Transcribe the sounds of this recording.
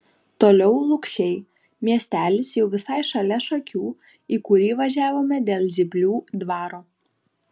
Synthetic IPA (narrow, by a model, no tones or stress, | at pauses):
t̪oːlʲɛʊlˠʊkʃʲɛɪ | mʲiɛsʲt̪ʲæːlʲɪsjɛʊʋʲɪsɑɪʃɐlʲɛʃɐkʲuː | iːkʊɾʲiːʋɐʒʲæːʋoːmʲɛd̪ʲeːlˠzʲɪbʲlʲuːd̪ʋɑːɾoː